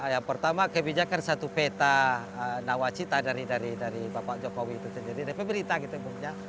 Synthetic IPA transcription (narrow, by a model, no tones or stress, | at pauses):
jaŋpərt̪amakəbid͡ʒakansat̪upɛt̪a | nawat͡ʃit̪adaɾidaɾidaɾibapaʔd͡ʒokowiːt̪usɛndiɾidɛpɛbəɾit̪aɡit̪umuŋɲa